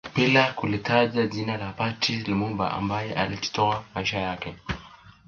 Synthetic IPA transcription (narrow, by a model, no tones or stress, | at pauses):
pilakulitʰad͡ʒad͡zinalapatʰilimumba̰ʔa̰mbajɛʔaliti̥tɔamaiʃajakɛ